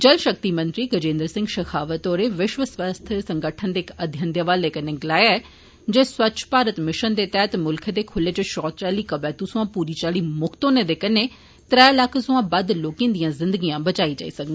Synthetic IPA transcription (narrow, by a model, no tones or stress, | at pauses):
d͡ʒəlʃək̚t̪iːmə̃nt̪ɾiːɡəd͡ʒẽːnd̪əɾsɪ̃ŋɡʃəkʰaːʋət̪oːɾeːʋɪʃʋəsʋast̪ʰəsəŋɡəʈʰənd̪eːkəd̪ʱjənd̪jəʋaːleːkəneːɡɪlaːjaɛː | d͡ʒeːswətːt͡ʃʰpaːɾət̪mɪʃənd̪eːt̪ɛɦət̪mʊlkʰd̪eːkʰʊlːeːt͡ʃʃɔːt̪t͡ʃaːliːkəbɛːt̪usʊãːpuːɾiːt͡ʃaːliːmʊkʰt̪õːneːd̪eːkəneː | t̪ɾɛːləkʰsʊ̃ãːbəd̪loːkĩːnd̪ijãːzɪ̃nd̪əɡijãːbət͡ʃaːiːd͡ʒa̰ːḭːsək̪iː